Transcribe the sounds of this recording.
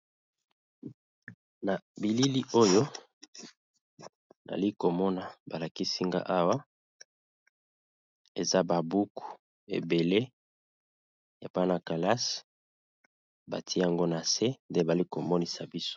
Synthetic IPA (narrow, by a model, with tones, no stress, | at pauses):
na˨bi˨li˦li˦ʔo˦jo˦ | na̰˨li˦ko˨mɔ˦na˨ba˨la˨ki˦si˦ŋɡa̰˦ʔa˦wa˦ | e˨za˦ba˨bu˦ku̥˨ | ḛ˨be˨le˦ | e˨pa˦na˨ka˨la˦s | ba̰˨ti˦e˦a˨ŋɡo˦na˨se˦nde˦ba˨li˦ko˨mɔ˦ni˦sa˨bi˦so̥˦